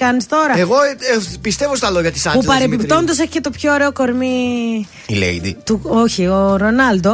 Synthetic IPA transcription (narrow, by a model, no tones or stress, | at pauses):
ɐnist̪o̞ɾɐeɣo̞pist̪e̞vost̪ɐlo̞ʝɐt̪isɐpupɐɾepipt̪o̞nd̪ɐs̬eçicet̪o̞pço̞ːɾe̞oko̞ɾmi | ilḛjd̪ḭt̪uoçioɾo̞nɐld̪o̞